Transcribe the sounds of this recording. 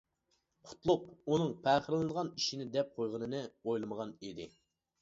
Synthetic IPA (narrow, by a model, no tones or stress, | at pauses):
qʰʊ̥t̪ʰlˠʊq̚unɨŋpʰæːχəɾlˠɨnəʁɑniʃinɪd̪ɛp̚qʰojʁənɨnɨojlˠɨməʁɑnid̪ɪ